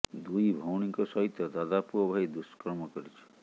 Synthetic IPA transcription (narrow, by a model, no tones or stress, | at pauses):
d̪ujbʱɔwɽ̃ikɔsɔɦit̪jɔd̪ad̪apuɔbʱajd̪uskɾɔmɔkɔɾit͡ʃʰi̥